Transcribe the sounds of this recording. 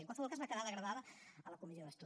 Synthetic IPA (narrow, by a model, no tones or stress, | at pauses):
əŋkwalsəβɔlˠkazləkəðaðəɣɾəβaðəələkumizioðəst̪u